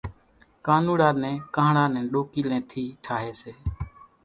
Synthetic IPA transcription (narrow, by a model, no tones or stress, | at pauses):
kaːnuːɽaːɾnɛ̃ːkãːɳãːnɛ̃ːɗoːkiːlɛ̃ːt̪ʰiːʈʰaːɦeːseː